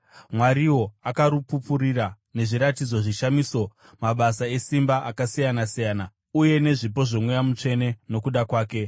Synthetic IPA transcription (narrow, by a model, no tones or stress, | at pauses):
mwaɾiwo̞akaɾupupuɾiɾa | ne̞ʐiɾatid͡zo̞ʐiʃamiːso̞ | maɓasae̞simbaʔakasijanasijaːna | uje̞ne̞ʐip̬o̞ʐomwe̞jamut͡ʂe̞ne̞no̞kuɗakwaːke̞